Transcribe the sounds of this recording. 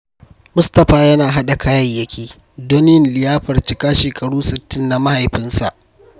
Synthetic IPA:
mʊ˦stɐ˨ɸaː˨jɐ˦naː˨ɦa˦ɗa˨kʰaː˦jɐ˦˨jːɐ˦kʲiː˦ | doː˦nɪ˦ɪ˦˨nlɪ˨jaː˦ɸɐ˨rt͡ʃɪ˨kaː˦ʃeː˨kʼɐ˨ɽuː˦sɪ˨tːɪ˦nːa˨ma˦ha˨jɸɪ˦nsa̰˨ʔ

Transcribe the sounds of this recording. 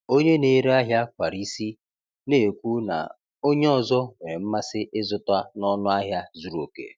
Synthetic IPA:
o˦ɲe˦ne˨ɾe˦a˦ɦja˦kʷa˨ɾi˦si˦ | ne˦˨kʷu˦na̰˨ | o˦ɲe˦ɔ˨zɔ˦we˨ɾe˨m̩˦ma˦sɪ˦ʔɪ˦zʊ˦ta˦nɔ˦nʊ˦a˦ɦja˦zu˦ɾo˨kḛ˨

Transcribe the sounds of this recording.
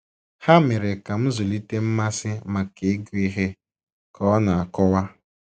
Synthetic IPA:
ha˦mɪ˨ɾe˨ka˨m̩˦zʊ˨li˦te˦m̩˦ma˦sɪ˦ma˨ke˨˦ɡi˦ɦe˦ | kʰɔ˦na˨a˨kɔ˦wa˦

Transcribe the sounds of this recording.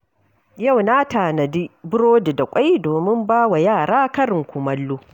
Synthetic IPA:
ja˦˨wna˦taː˨nɐ˨di˦bʊ˦ɽoː˦di˨da˨kʷʼa˦jdoː˨mɪ˦mbaː˦wa˨jaː˦˨ɽaː˦kɐ˦ɾɪ˨ŋkʷʊ˨mɐ˦lːu˦

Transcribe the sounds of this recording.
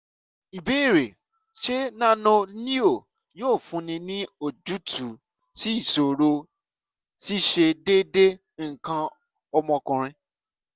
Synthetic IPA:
i˨be˦i˦˨ɾe˨ | ʃe˦nã˦nɔ̃˧nĩ˦o˦˨ | joː˦˨fũ˧˦nĩ˧nĩ˦o˦˨d͡ʒu˨˦tu˨˦ | ti˦i˦˨so˨ɾo˧ | ti˦ʃe˧de˦de˦ | ŋ̩˨kã˧ | ɔ˧mɔ̃˧kɔ̃˨ɾ̃ĩ˧

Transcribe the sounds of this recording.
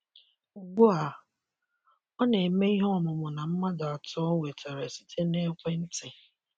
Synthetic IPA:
ɡ͡bʊ˦a˨ | ɔ˦ne˨me˦i˦ɦɔ˦ɔ˦˨mʊ˨mʊ˨na˨m̩˦ma˦da˨tɔ˦wʷe˨tʰe˨ɾe˨si˦tʰe˦ne˦kʷe˦n̩˦tɪ˨

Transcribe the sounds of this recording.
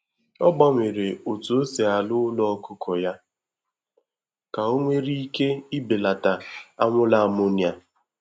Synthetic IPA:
ɔ˦ɡ͡ba˦ŋʷe˨ɾe˨o˨tu˨o˦se˨a˨lʊ˦lɔ˦ɔ˦kʊ˦kʰɔ˨ja˦ | ka˨o˦ŋʷe˦ɾi˦i˦ke˦ɪ˦be˨la˨ta˨a˦ŋʷʊ˦la˦a˨mo˦nja˨

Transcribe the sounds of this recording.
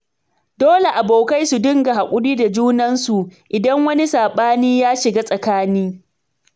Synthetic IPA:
doː˦le˨ʔa˨boː˨ka˦jsu˨dɪ˦ŋɡa˨ha˨kʷʼʊ˦ɽiː˦da˨d͡ʒuː˦nɐ˦nsu˨ʔɪ˨dɐ˦ŋwɐ˦ni˦saː˨ɓaː˦niː˦jaː˦ʃɪ˨ɡaː˦sʼɐ˨kaː˦niː˦

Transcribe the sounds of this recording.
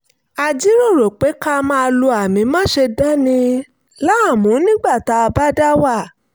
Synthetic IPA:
a˧d͡ʒi˦ɾo˦˨ɾo˨k͡pe˨˦ka˦mã˦˧lo˧a˨mĩ˨˧mãː˦ʃe˧da˦nĩ˧ | la˦a˦˨mũ˨˦nĩ˦ɡ͡ba˦˨ta˨˦a˧ba˦da˦wa˦˨

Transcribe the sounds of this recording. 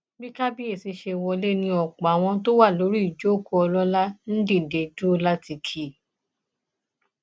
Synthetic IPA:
bi˦ka˦bi˦e˦˨si˧ʃe˧wɔ˧le˦nĩ˧ɔ˨k͡pa˨w̃ɔ̃˧to˦wa˦˨lo˨˦ɾi˦i˨d͡ʒo˦˨ko˦ɔ˧lɔ˦la˦n̩˦dĩ˦˨de˨du˦la˦ti˧kʰi˨

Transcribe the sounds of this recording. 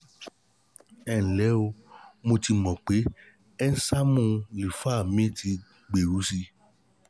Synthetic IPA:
ɛ˨ñ̩˨lɛ˨˦o˧mo˧ti˧mɔ̃˨k͡pe˨˦ | ɛ˦n̩˦sa˦mũ˦˧li˨fa˦˨mĩ˦ti˧ | ɡ͡be˨ɾu˨˦si˧

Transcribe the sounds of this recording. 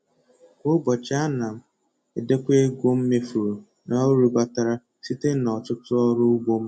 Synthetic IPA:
kʷo˦bɔ˨t͡ʃa˦na˨m̩˦˨ | e˨de˦kʷe˦ɡʷo˦m̩˦me˦fu˨ɾo˨ | nɔ˦ɾu˨˦ɡ͡ba˦ta˨ɾa˦ | si˦te˦nɔ˨tʊ˦tʊ˦ɔ˦ɾʊ˦ɡ͡bo˦m̩˦

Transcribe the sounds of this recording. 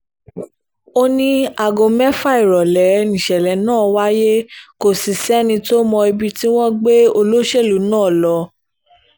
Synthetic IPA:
o˦nĩ˦a˨ɡo˧mɛ˦fa˦i˨ɾɔ˨lɛ˨˦nĩ˨ʃɛ˨lɛ˨˦nãː˦˨wa˦je˦ko˨si˨sɛ˦nĩ˧to˦mɔ̃˧i˧bi˧ti˦w̃ɔ̃˦ɡ͡be˦o˧lo˦ʃe˦˨lu˨˦nãː˦˨lɔ˧˦

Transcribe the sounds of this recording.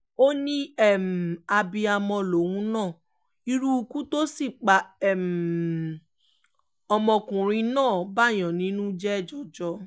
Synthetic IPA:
o˦nĩ˦ɛ˦˨m̩˨a˧bi˧a˧mɔ̃˧lo˨wũ˦nãː˦˨ | i˧ɾu˦˧kũ˦to˦si˦˨k͡pa˨˦ɛ˨m˨ | ɔ˧mɔ̃˧kũ˨ɾ̃ĩ˧nãː˦˨ba˦˨j̃ã˨nĩ˨˦nũ˦d͡ʒɛ˦ɛ˦˨d͡ʒɔ˨d͡ʒɔ˧˦

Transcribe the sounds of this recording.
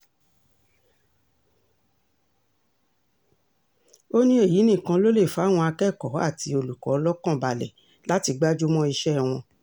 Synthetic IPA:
o˦nĩ˦e˦˨ji˨˦nĩ˦˨kã˧lo˦le˦˨fa˨˦˨w̃ɔ̃˧a˧kɛ˦˨kɔ˨˦a̰˦˨ti˧˦o˧lu˨kɔ̰˨˧˦lɔ˦kã˦˨ba˧˨lɛ̰˨ | la˨˦ti˧ɡ͡ba˦d͡ʒu˦mɔ̃˦i˧ʃɛ˦˨w̃ɔ̃˧

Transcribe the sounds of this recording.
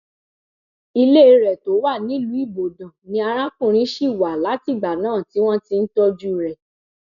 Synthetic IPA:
i˧le˦˧ɾɛ˨to˨˦wa˦˨nĩ˨˦lu˨˦i˦˨bo˨dã˨nĩ˧a˧ɾ̃ã˦kũ˦˨ɾ̃ĩ˦ʃi˦˨wa˨la˨˦ti˦˨ɡ͡ba˨nãː˦˨ti˨˦w̃ɔ̃˦ti˧n̩˦tɔ˦d͡ʒu˦˨ɾɛ˨

